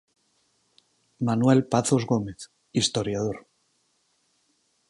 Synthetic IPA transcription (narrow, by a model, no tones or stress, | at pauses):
manwelpaθo̞zɣo̞me̞θ | ist̪o̞ɾjað̞o̞ɾ